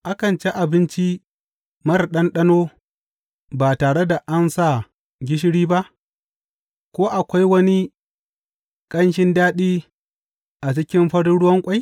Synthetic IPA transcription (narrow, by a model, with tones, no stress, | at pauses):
ʔa˦kɐ˨nt͡ʃe˦ʔa˨bɪ˦nt͡ʃi˦ | mɐ˦rɗɐ˦nɗɐ˦noː˦ | baː˨taː˨ɽe˦da˨ʔa˦nsa˦˨ | ɡʲɪ˦ʃ̬ɪ˦ɽiː˦ba˦ʔ | kʷoː˦ʔa˨kʷa˦jwɐ˦ni˦ | kʼɐ˦nʃɪ˦ndaː˦ɗiː˦ | ʔa˨t͡ʃɪ˦kʲɪ˦mɸɐ˦ɽɽʊ˦wɐ˦ŋkʷʼa˦j